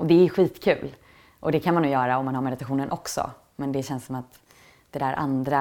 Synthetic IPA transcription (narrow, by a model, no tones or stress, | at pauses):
ɔd̪ɛːɾjɵɧiːt̪kʰʉ̟ːl | ʔɔd̪ɛkʰanmanːuːjœːɾaɔmːanɦhaɾmɛd̪ɪt̪aɧuːnənʔɔksɔ̰ | mɛnd̪ɛɕɛnssɔmat̪ | d̪̥ɛd̪æːɾʔa̰nd̪ɾa